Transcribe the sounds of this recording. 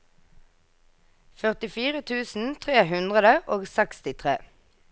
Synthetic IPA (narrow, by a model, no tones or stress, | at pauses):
fœʁt̪ɪfiːʁət̪ʰʉːsn̩t̪ʰʁeːhʉnd̪ʁəd̪əʔoːɡsɛkst̪ɪt̪ʰʁeː